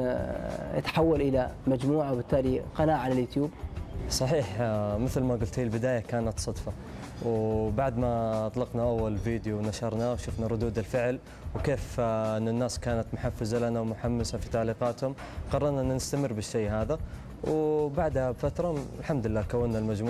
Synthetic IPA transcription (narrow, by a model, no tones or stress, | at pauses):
ɪ̰t̪ħawːalʔɪlamad͡ʒmuːʕawbɪt̪ːaːliqɑnaːʔʕanɪljʊt̪juːbsˤɑħiːħmɪθlmaɡʊlt̪iːlbɪd̪aːjakaːnat̪sˤɑd̪fɑ | wbaʕd̪mat̪ˤlɑqnaʔawːalviːd̪juwnaʃɑɾˤnawʃʊfnaɾˤʊd̪uːd̪ɪlfɪʕl | wkeːfʔɪnːɪnːaːskaːnat̪mʊħafːɪzalanawmʊħamːasafit̪ɑʕliːqɑːt̪hʊm | qɑrˤːɑɾˤnaʔɪnːanɪst̪amɪrːbɪʃːeːɦaːða | wbaʕd̪habfat̪ɾˤɑɪlħamd̪ɪlːaːkawːɪnːalmad͡ʒmː